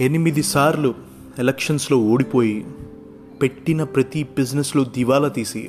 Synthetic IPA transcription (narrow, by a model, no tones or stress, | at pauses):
e̞nimid̪isaːɾlu | elɐkʂɐnslo̞ːoːɽipo̞ːji | pe̞ʈːinɐpɾɐt̪ibid͡ʒneslod̪iʋaːlɐt̪iːsi